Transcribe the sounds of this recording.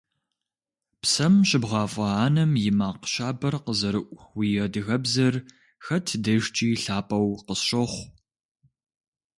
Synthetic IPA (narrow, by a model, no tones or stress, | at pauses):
psɐmɕɪbʁɑːfʼɐaːnɐmjɪmaːqəɕaːbɐrqəzɐɾɨʔʷxwijɐdɨɣɐbzɐr | xɐtʰdɐʒt͡ʃʼiːɬaːpʼɐwqəsɕɐχʷ